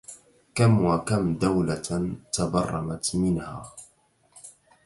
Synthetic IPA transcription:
kamwakamd̪awlat̪abɑrˤːɑmat̪mɪnhaː

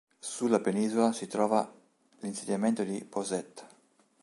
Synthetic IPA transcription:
sulːapeniːzolasit̪ɾɔːva | linsed̪jament̪od̪ipozɛt̪ː

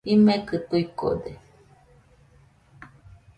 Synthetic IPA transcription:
imekɨt̪uiko̰d̪e

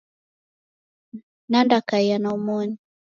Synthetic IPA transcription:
nandakaijanaumɔɲi

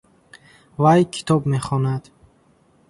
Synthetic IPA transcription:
vajkʰi̥t̪ʰɔbmeχɔnad̪̥

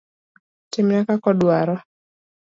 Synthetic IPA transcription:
timjakakɔɗuaɾɔ

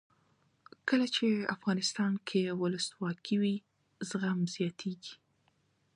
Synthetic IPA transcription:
kəlat͡ʃea̰fɣɑnɪst̪ɑnkʰewʊləswɑkʰiwi | zɣamz̥jɑt̪ʰeɡi

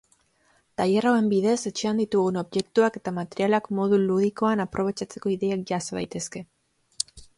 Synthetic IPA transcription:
t̪ajerawe̞mbiðe̞se̞t͡ʃeand̪it̪uɣuno̞βʝe̞k̚t̪uake̞t̪amat̪e̞ɾialakmo̞ð̞uluð̞iko̞anapɾʔo̞β̞e̞t͡ʃat͡se̞ko̞iðeak̚ʝaseβa̰jt̪e̞ske̞

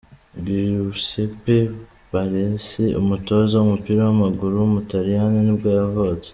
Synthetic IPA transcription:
ɡiɾusepe | βaɾeseṵmuto̞zaumupiːɾawamaɡuɾumutaɾijaninibɡaːavot͡se̥

